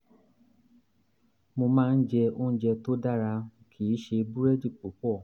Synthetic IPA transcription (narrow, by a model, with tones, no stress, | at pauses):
mo˧mãː˦˧n̩˦d͡ʒɛ˧õ˦d͡ʒɛ˧to˦da˦˨ɾa˧kʰi˨˦ʃe˧bu˦ɾɛ˦d͡ʒi˦˨k͡po˨˦k͡pɔ˦˨